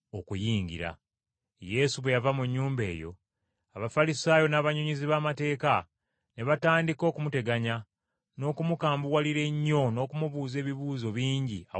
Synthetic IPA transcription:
okujiːɲɟḭɾa̰ | je̞suβwejavamuɲːuːmbe̞̰ːjo̞̰ | aβafalisaːjo̞naːβaɲuɲiziβaːmate̞ːka | ne̞βataːndiko̞ːkumute̞ɡaɲa | no̞ːkumukaːmbuwaliɾe̞ɲːo̞no̞ːkumuβuːze̞ːβiβuːzo̞βiːɲɟḭa̰

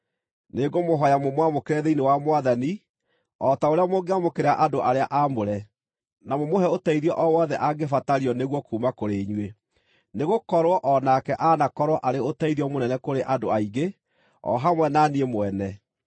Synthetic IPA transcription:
neɡomoɦɔjamomwamokeɾɛðeinewamowaðani | ɔtaoɾeamoɡeamokeɾaʔadoʔaɾeaʔamoɾɛ | namomohɛotaiðiɔʔɔwɔðɛʔaɡefataɾiɔneɣwɔkuːmakoɾeɲwe | neɣokɔɾwɔʔɔnakɛʔanakɔɾwɔʔaɾeotaiðiɔmonɛnɛkoɾeʔadoaiɡe | ɔ̰ɦamwɛnaniemoɛnɛ

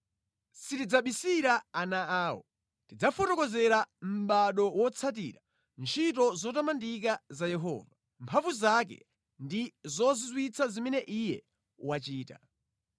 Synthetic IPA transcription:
sitid͡zaɓisiɾaanaaːwɔ̰ | tid͡zafɔtɔkɔzɛɾam̩ɓaɗɔwɔt͡sʰat̬ḭɾa | nt͡ʃʰitɔzɔtamandik̬azajɛɦɔ̰ːva | mpʰavuzak̬ɛ̰ | ndizɔzizwit͡sʰazimɛnɛʔijɛ | wat͡ʃiːta̰

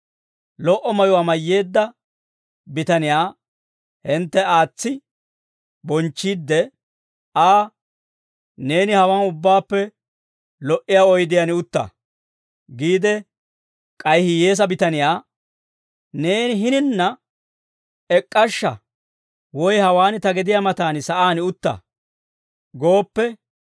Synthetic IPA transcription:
lɔʔɔmɐjʊwaːmɐjːe̞ːd̪ːɐ | bɪt̪ɐnɪjaː | hɪnt̪ːɛaːt͡sːɪ | bɔnt͡ʃːiːd̪ːɛ | aː | ne̞ːnɪhɐwɐnʊbːaːpːɛ | lɔʔɪjaːɔjd̪ɪjanɪʊt̪ːɐ̰ | ɡiːd̪ɛ | kʼɐjhɪje̞ːs̬ɐbɪt̪ɐnɪjaː | ne̞ːnɪɦɪnɪnːɐ | ɛkʼːɐʃːɐ | wɔjhɐwaːnt̪ɐɡɛd̪ɪjaːmɐt̪aːnsɐʔaːnɪʊt̪ːɐ̰ | ɡo̞ːpːɛ

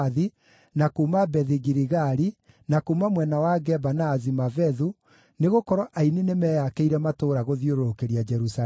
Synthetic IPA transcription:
ði | nakuːmabɛðiɣiɾiɣaɾi | nakuːmamwɛnawaɡɛbanaːzimavɛðu | neɣokɔɾɔʔaininemɛjakeiɾɛmatoːɾaɣoðioɾoɾokeɾiad͡ʒɛɾusa

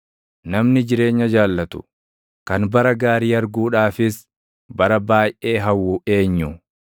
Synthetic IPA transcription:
nɐmnɪd͡ʒɪɾe̞ːɲːɐd͡ʒaːlːɐt̪ʊ̥̰ | kɐnbɐɾɐɡaːɾiːɐɾɡuːᶑaːfɪs | bɐɾɐbaːjʔeːɦɐwːue̞ːɲːʊ

